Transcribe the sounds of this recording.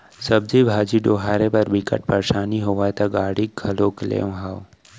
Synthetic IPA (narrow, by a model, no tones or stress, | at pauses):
sɐb̚zibʱaːd͡ʒiɖoːɦaːɾepɐɾbikə̰ʈ̚pɐɾʃaːniɦoʋaːjt̪aɡaːɽiɡʱɐloːklḛːʋɦaːw